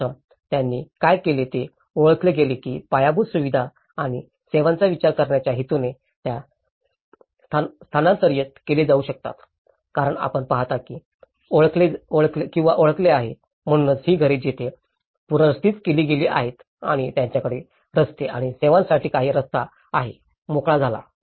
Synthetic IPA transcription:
ə | t̪janːiːkajkelet̪e | oɭəkleɡelekḭːpajabud̪suʋid̪ʱa | aɽ̃i | seʋãnt͡saʋit͡ɕaɾkəɾɳjat͡ɕjaɦit̪une | t̪ja | st̪ʰst̪ʰanãnsəɾjət̪keled͡zauɕək̚t̪a̰t̪ | kaɾəɳa̰pəɳpaɦt̪akiː | oɭkleoɭklekĩw̃ʋaʔoɭəkleaɦe | m̤əɽ̃unət͡shiːɡʱəɾed͡ʑit̪ʰe | puɾəɾst̪iːt͡skeliːɡeliːʔa̰ɦet̪ | a̰ɽ̃it̪jaɲt͡ɕjakəɽe | ɾəst̪eaɽ̃iseʋãnsaʈʰiːkaɦiːɾəst̪a | aɦḛ | mokɭad͡zʱala̰

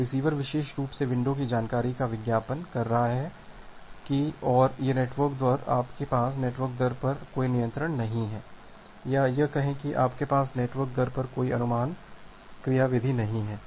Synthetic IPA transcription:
ɾɪsiːʋəɾʋɪʃeːʃɾuːpseʋɪ̃ɳɖõk̬id͡ʒaːnkaːɾikaʋɪɡ̪jaːpənkɐɾːɐɦaɦɛ | kiɔːɾjeneːʈʋəɾkd̪waːɾa̰ːpkepaːsneːʈʋəɾk̚d̪ɐɾpɐɾkoːinijə̃nt̪ɾəɳnɐɦĩɦɛː | jajɐkɐɦẽkiʔaːpkepaːsneːʈʋəɾk̚d̪ɐɾpɐɾkoːiɐnʊmaːn | kɾɪjaːʋɪd̪ʱinɐɦĩɦɛː

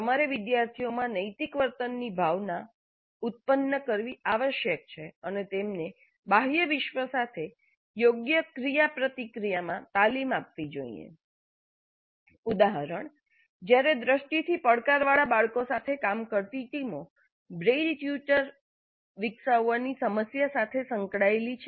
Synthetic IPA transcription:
əmaɾeʋɪd̪jaɾt̪ʰijomãnəjt̪ikʋəɾt̪ənːibʱaʋna | ut̪̚pənːəkəɾʋiaʋəʃjək̚t͡ʃʰeənet̪emne | baɦjəʋɪʃʋəsat̪ʰe | joɡjəkɾijapɾət̪ikɾijamãt̪alimap̚ʋid͡ʒo̰ḭḛ | ud̪aɦəɾəɳ | d͡ʒjaɾed̪ɾəʃʈit̪ʰipəɽkaɾʋaɭabaɭkosat̪ʰekamkəɾt̪iʈimo | bɾeɖfjut͡ʃəɾ | ʋɪkʃaanisəməsjasat̪ʰesəŋkɽaelit͡ʃʰe

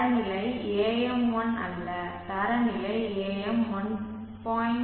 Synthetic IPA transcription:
ɐnɪlɐɪeːjɛmʋɔnɐ̰lːɐt̪ɐɾɐnɪlɐɪeːjɛmʋɔn | pɔːɪn

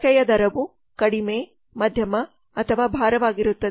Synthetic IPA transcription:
ɐjɐd̪ɐɾɐʋu | kɐɽimeː | mɐd̪ʱjɐmɐ | ɐt̪ʰɐʋaːbʱaːɾɐʋaːɡiɾut̪ːɐd̪

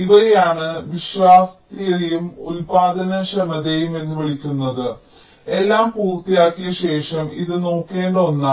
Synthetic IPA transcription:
iʋɐejaːɳɨʋiɕʋaːst̪ijɐijumulpaːd̪ɐnɐɕɐmɐðejume̞nːuʋiɭikʲːunːɐðɨ | e̞lːaːmpuːrt̪ijaːkːijɐɕe̞ːʂɐmiðɨno̞ːkːe̞ːɳɖo̞nːa

